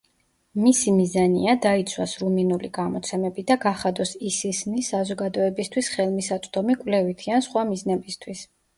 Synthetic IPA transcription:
misimizanḭad̪ait̪sʰwasɾuminuliɡamɔt̪sʰɛmɛbid̪aɡaχad̪ɔsisisnisazɔɡad̪ɔɛbist̪ʰwisχɛlˠmisat̪sʼd̪ɔmikʼwlɛvit̪ʰiansχwamiznɛbist̪ʰwis

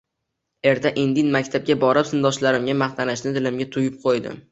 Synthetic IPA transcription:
e̞ɾt̪ʰaʔɪnd̪ɪnmakʲt̪ʰab̚ɡʲabɒɾɪpsɪnd̪ɒʃlaɾɪmɡʲamaχt̪ʰanaʃnɪd̪ɪlɪmɡʲat̪ʰʊjɪp̚qʰojd̪ɪ̰m

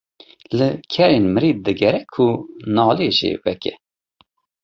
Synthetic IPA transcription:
lɨkʰɛɾeːnmɨɾiːd̪̚d̪ɨɡɛɾɛkʰunɑːlieʒḭːvɛkɛ̰

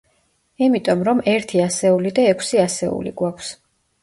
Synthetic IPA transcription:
imit̪ʼɔmɾɔmɛɾt̪ʰiasɛulid̪aɛkʰsiasɛṵlḭɡwakʰs

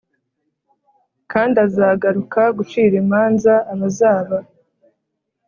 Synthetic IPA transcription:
kaːndazaːɡaɾukaɡut͡ʃiːɾemaːnzaːβazaːβa

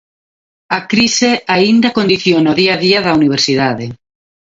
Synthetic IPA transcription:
akɾiseaind̪akond̪iθjonaoðiaðiaðauniβ̞eɾsiðaðe

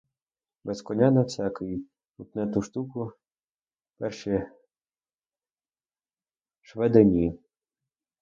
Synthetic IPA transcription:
bɛskɔnʲanɐwsʲakɪji | ut̪nɛt̪uʃt̪ukʊ | pɛrʃɛ | ʃʋɛd̪ɛnʲi

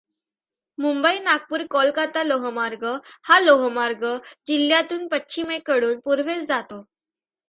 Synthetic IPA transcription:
mumbəinak̚puːɾkɔlkat̪aloɦmaɾɡəhaloɦmaɾɡəd͡ʑiljat̪uːnpətːɕʰimekəɽuːnpuɾʋ̤et͡sd͡zat̪o

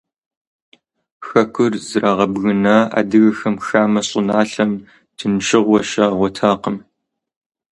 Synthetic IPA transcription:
xɐkʷʰʼʊrzɨraʁɐbɣɨnaːa̰ːdɨɣɐxɐmxaːmɐɕʼʊnaːɬɐm | tʰɨnʃɪʁʷɔʃaːʁʷɔtʰaːqəm

